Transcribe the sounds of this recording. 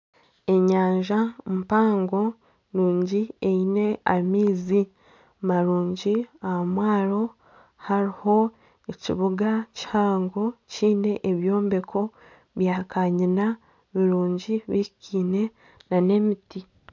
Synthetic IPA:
e̞ɲaːɲʒampaːŋɡo̞ | nuːɲɟieine̞amiːzi | maɾuːɲɟiahmwaːɾo̞ | haɾiho̞ | ecḭβuɡacihaːŋɡo̞ciːne̞ʔeβjo̞ːmbe̞kʰo̞ | βjaːkaɲina | βiɾuːɲɟiβikʰiːne̞ | nane̞miti

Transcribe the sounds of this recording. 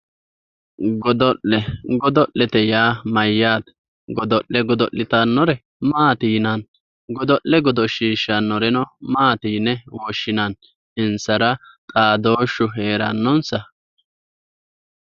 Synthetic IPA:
ɡɔd̪ɔʔlɛɡɔd̪ɔʔlɛt̪ɛjaːmɐjːaːt̪ | ɡɔd̪ɔʔːɛɡɔd̪ɔʔːɪt̪ɐnːɔɾɛ | maːt̪iːnɐn | ɡɔd̪ɔʔɛɡɔd̪ɔʃiːʃːɐnːɔɾɛnɔmaːt̪iːnːɛwɔʃːɪnɐn | ɪnsɐɾɐt̪ʼaːd̪o̞ːʃʊɦe̞ːɾɐ̰nːɔnsɐ

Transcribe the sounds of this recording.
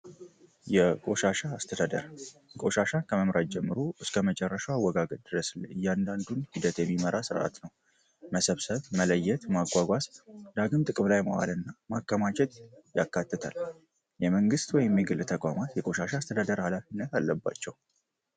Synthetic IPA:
jɛkʼo̞ʃaʃast̪ʰəəɾkʼo̞ʃaʃakʰəməmɾad͡ʒɛmːɨɾo̞ʔɨskʰəmət͡ʃʼɛrːəʃɛwawːəɡaɡət̪̚ʼd̪̥ɨɾəslɨjːand̪and̪unhid̪ət̪jɛmːiməɾasɨɾʔa̰t̪nəw | məsəβsəβmələjːɛt̪maɡʷaɡʷasd̪̥aɡɨmt̪ʼɨkʼɨmlajməwa̰lɨnːamakːəmat͡ʃɛt̪jakːat̪ːət̪ʰa̰l | jɛməŋɡɨst̪wɔjɪmːiɡɨlt̪ʰəkʼamat̪jɛkʼo̞ʃaʃaːst̪ʰəd̪ad̪əɾhalafinːət̪alːəbːa̰t͡ʃːɛw

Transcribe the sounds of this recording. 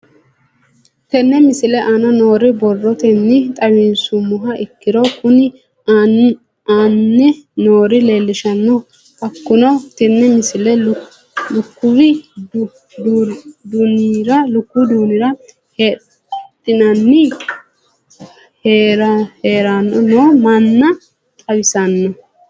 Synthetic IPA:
t̪ɛnːɛmɪsɪlɛʔɐnɔno̞ːɾɪbɔrːɔt̪ɛnːɪt̪ʼɐwɪnsʊmːʊɦɐʔɪkːɪɾɔkʊnɪ | anːɛnoːɾɪle̞ːlːɪʃɐnːɔ | ɐkːʊnɐwt̪ɛnːɛmɪsɪlɛ | lʊkːʊwɪd | d̪d̪unɾɐlʊkːʊd̪uːnɪɾɐ | heː | t̪ʼːɪnɐnːɪ | heɾɐheːɾɐnːɔnoːmɐnːɐ | t̪ʼɐwɪsɐnːɔ

